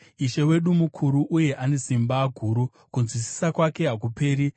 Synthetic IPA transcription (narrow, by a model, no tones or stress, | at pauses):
iʃe̞we̞ɗumukʰuɾuʔuje̞ʔane̞simbaːɡʱuɾu | kunzwisi̥sakwake̞ɦakupe̞ːɾi